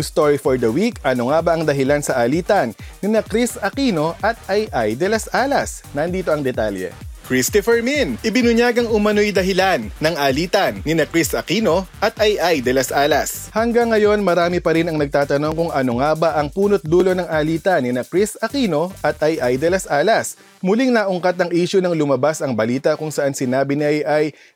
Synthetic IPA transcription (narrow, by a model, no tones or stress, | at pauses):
ust̪oɹifoɹd̪ɐwikʔɐnoŋabɐʔɐŋd̪ɐɦɪlansɐʔaːliːt̪ɐnːɪnɐkɾisɐkiːno̞ʔɐt̪̚ʔɐjʔajd̪ɛlɐsʔaːlɐs | nɐnd̪iːt̪oɐŋd̪ɛt̪aljɛ̰kɹist̪ɪfɛɹminʔɪbɪnʊɲjaːɡɐŋʊmɐno̞jd̪ɐɦɪlanːɐŋaːliːt̪ɐnːɪnɐkɾisɐkiːnoʔɐt̪ʔɐjʔajd̪ɛlɐsʔaːlɐshɐŋɡɐŋːɐjo̞nmɐɾaːmɪpɐɾinɐŋnɐɡ̚t̪aːt̪ɐno̞ŋkʊŋʔɐnoŋabɐʔɐŋpuːnot̪̚d̪uːlo̞nɐŋaliːt̪ɐnɪnɐkɾisɐkiːno̞ʔɐt̪̚ʔɐjʔajd̪ɛlɐsʔaːlɐs | mʊliŋnɐʔʊŋkɐt̪ɐŋʔiːʃʊnɐŋlʊmɐbasɐŋbɐliːt̪ɐkʊŋsɐʔansɪnaːbɪnɐjʔɐj